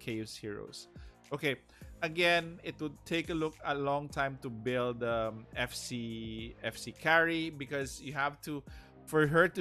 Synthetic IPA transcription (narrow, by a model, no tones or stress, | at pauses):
kʰeshiɹo̰ʊsʔokeɪ | ʔɐɡɛ̃nɪt̪wʊd̪̚t̪ʰeɪkəlʊkəlɔ̃ŋt̪ʰãɪmt̪ubɪlˠd̪əɛfsiɛfsikʰæɹibɪkɔsjɨhævt̪u | fɔɹɦə˞t̪